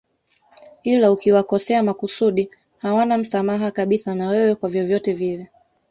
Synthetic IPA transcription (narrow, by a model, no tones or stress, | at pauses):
ilaukiwakɔsɛamakusuɗi | hawanam̩samaɦakaɓisanawɛwɛkwavjɔvjɔtɛvilɛ